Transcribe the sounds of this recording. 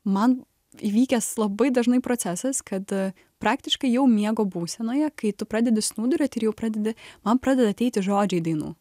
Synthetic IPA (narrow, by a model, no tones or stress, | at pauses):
mɐn | iʋʲiːkʲɛslˠɐbɐɪd̪ɐʒnɐɪpɾoːt͡s̪ʲæsɐskʰɐt̪ | pɾɑːk̚t̪ʲɪʃkɐɪjɛʊmʲiɛɡoːbuːsʲɛnoːjɛkɐɪt̪ʊpɾɑːd̪ʲɛd̪ʲɪsnuːd̪ʊɾʲoːt̪ʲɪɾjɛʊpɾɑːd̪ʲɛd̪ʲɪmɐnpɾɑːd̪ʲɛd̪ɐt̪ʲɛɪt̪ʲɪʒoːd͡ʒʲɛɪd̪ɐɪnṵː